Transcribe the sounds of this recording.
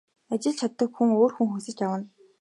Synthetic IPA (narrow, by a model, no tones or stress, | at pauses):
at͡ɕɪ̆ɮt͡ɕʰat̪ːə̆kxuŋoːrxuŋxusɘ̆t͡ɕjawə̆n